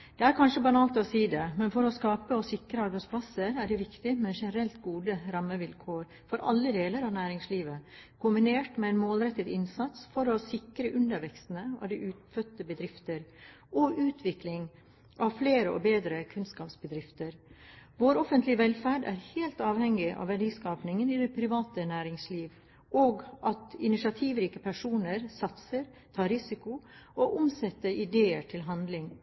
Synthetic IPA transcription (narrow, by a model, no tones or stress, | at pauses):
d̪̥ɛæɾkʰɑnʂəbɑnɑːlt̪ɔsiːd̪ɛmɛnfɔɾɔskɑːpəɔsɪkɾəɑɾbæɪsplɑsəɾæɖɛʋɪkt̪ɪmɛʂɛnəɾɛlt̪ɡuːd̪əɾɑmːəʋɪlkʰoːɾ | fɔɾʔɑ̰lːəd̪eːləɾɑʋnæːɾɪŋsliːʋəkʰʊmbɪneːʈmɛɛɪnmoːlɾɛt̪ːəd̪ɪnsɑt̪sfɔɾɔsɪkɾəʔʉnd̪əɾʋɛkst̪ənəɑ̰ʋd̪ɪʔʉːt̪fœt̪ːəbəd̪ɾɪft̪əɾ | ʔɔʔʉːt̪ʰʋɪklɪŋ | ʔɑʋfleːɾəɔ̰beːd̪ɾəkʰʉnskɑːpsbəd̪ɾɪft̪əɾʋoːɾɔfənt̪lɪʋɛlfæːɖæ̰ːɾheːlt̪ɑːʋhɛŋɪʔɑ̰ʋæɖiːskɑːpnɪŋəniːd̪ɛpʰɾɪʋɑːt̪ənæːɾɪŋsliːʋ | ʔoːɡʔɑt̪ɪnɪʂɑt̪ʰiːʋɾiːkəpʰæʂuːnəɾsɑt̪səɾ | t̪ʰɑːɾɪsɪkʊoʔʊmsɛt̪ːəʔɪd̪eːəʈʰɪlɦɑnd̪lɪŋ